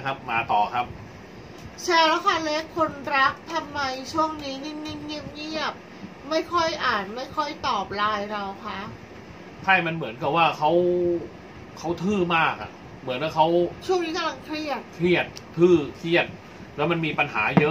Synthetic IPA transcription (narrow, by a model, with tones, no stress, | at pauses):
kʰa˦˥p̚maː˨˩˦t̪ɔː˨˩kʰa˦˥p̚ | t͡ɕʰɛː˧˩lɛ˦˥wkʰa˥˩le˦˥kʰːo˧nɾa˦˥k̚t̪ʰa˧mːa˧jt͡ɕʰu˥˩əŋniː˦˥ni˥˩ŋni˥˩ŋɲi˦˥˩p̚ɲi˥˩əp̚ | ma˥˩jkʰɔ˥˩jʔaː˨˩nma˥˩jkʰɔ˥˩jt̪ɔː˨˩p̚laː˧jɾa˧wkʰa˦˥ʔ | t͡ɕʰa˥˩jma˧nmɯ˩˦ənka˨˩p̚waː˥˩kʰa˦˥w | kʰa˦˥wt̪ʰɯː˥˩maː˥˩k̚ʔa̰˨˩ | mɯ˩˦nwaː˥˩kʰa˦˥wt͡ɕʰu˥˩əŋniː˦˥ka˧mla˧ŋkʰɾi˥˩ət̪̚kʰɾi˥˩ət̪̚ʰːɯː˥˩k̪ʰɾi˥˩ət̪̚ | lɛː˦˥wma˧nmiː˧pa˧nɦa̰ː˩˦jɤ˦˥